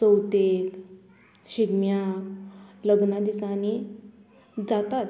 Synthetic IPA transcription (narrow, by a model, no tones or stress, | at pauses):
səwt̪el | ɕiɡmja | ləɡnad̪isani | d͡zat̪at̪